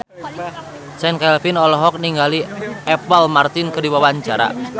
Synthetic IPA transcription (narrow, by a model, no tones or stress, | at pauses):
t͡ʃɛnkɛlfinɔlɔɦɔk̚niŋɡaliʔɛpəlmart̪ɪnkədiwawaɲt͡ʃaɾa̰